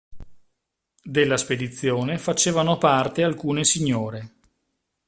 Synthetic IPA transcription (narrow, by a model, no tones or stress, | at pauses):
d̪elːasped̪it̪sːjoːnefat͡ʃeːvanopart̪ealkuːnesiɲːoːɾe